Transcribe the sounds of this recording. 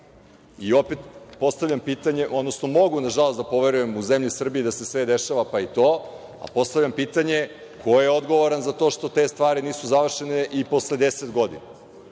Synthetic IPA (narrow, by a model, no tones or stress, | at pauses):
io̞pet̪po̞st̪avʎʲampiːt̪aɲe̞ʔod̪no̞sno̞mo̞ɡunaʒalˠo̞sd̪apo̞ʋe̞ɾuje̞muzemʎisr̩biid̪asesʋed̪e̞ʃaʋapait̪o̞ː | a̰po̞st̪aʋʎampiːt̪aɲe | kʰo̞jeod̪ɡo̞ʋoɾanzat̪o̞ʃt̪o̞t̪e̞ːst̪ʋaːɾiniːsuzaʋr̩ʃeneʔipo̞sle̞d̪eset̪ɡo̞d̪ḭna